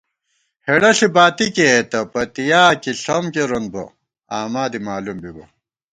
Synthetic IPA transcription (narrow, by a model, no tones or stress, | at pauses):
heɽɐɬibaːt̪iket̪ɐpɐt̪ijaːkiɬomkeɾonbo̰ | aːmaːd̪imaːlumbibɐ